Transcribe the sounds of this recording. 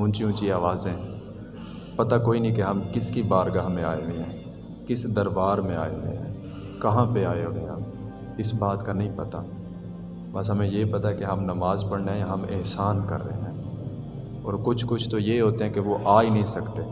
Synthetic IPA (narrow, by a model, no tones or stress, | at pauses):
ʊ̃ːnt͡ʃiũːt͡ʃiaːʋaːzɛ̃ | pɐt̪akoːinɐɦĩkeɦɐmkɪskibaːɾɡaɦmẽaːeɦʊeɦɛ̃ː | kɪsd̪ɐɾbaːɾmẽaːeɦʊ̰ḛɦɛ̰̃ː | kɐɦãpeaːeɦʊẽɦɐ̰m | ɪsbaːt̪kanɐɦĩpɐt̪a̰ | bɐs̬ɦɐmẽjepɐt̪aɛkeɦɐmnɐmaːzpɐɽneɦɛ̃jaɦɐmɪ̰ɦsaːnkɐ̰ɾːə̰ɦeɦɛ̃ː | ɔːɾkʊt͡ʃʰkʊt͡ʃʰt̪ojeɦoːt̪eɦɛ̃keʋoʔaːinɐɦĩsɐkt̪eː